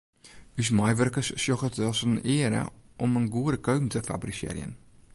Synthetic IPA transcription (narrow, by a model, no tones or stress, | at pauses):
ysmajʋœrkəsːjoxətɔsənɪəɾə̰ʔɔmənɡuəɾəkøɥpm̩təfa̰brisɪ̰ɾj̰ə̰n